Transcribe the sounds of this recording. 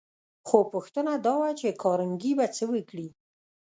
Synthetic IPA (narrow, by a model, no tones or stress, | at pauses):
xopəxt̪ənad̪ɑwat͡ʃekʰɑɾəŋɡibat͡səwəkɽi